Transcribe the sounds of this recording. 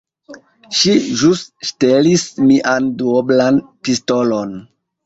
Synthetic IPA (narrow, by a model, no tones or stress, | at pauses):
ʃiʒustʃtelismiʔanduoblanpisto̞lon